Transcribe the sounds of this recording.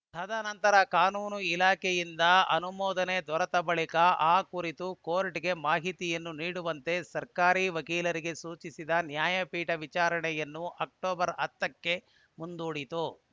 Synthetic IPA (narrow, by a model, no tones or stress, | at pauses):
t̪ʰɐd̪ɐnɐnt̪ɐɾɐkaːnuːnuilaːkʰejind̪ɐɐnumɔːd̪ɐned̪ʋɐɾɐt̪ɐbɐɭikɐaːkuɾit̪ukoːɾʈiɡe̞maːɦit̪ijɐnːuniːɽuʋɐnt̪e̞sɐɾkaːɾiːʋɐkiːlɐɾiɡe̞suːt͡ʃisid̪ɐnjaːjɐpiːʈɐʋit͡ʃaːɾɐɳɛjɐnːuʔɐk̚ʈoːbɐɾɐt̪ːɐkːe̞ | mund̪uːɽit̪u